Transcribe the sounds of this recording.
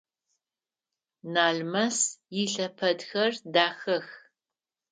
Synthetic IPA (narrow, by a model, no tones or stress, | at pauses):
naːɮmɐsjiɬɐpʰɐdxɐrdaːxɐx